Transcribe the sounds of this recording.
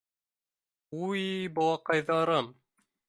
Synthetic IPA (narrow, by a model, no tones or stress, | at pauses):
ujbow̪ˠɑqɑjðɑɾɤm